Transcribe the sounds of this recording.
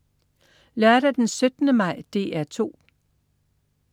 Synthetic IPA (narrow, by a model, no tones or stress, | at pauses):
læɐɾ̥æd̥ensød̥nəmɑ̈ɪ̰d̥e̝̰ːæɐt͡sʰo̝̰ː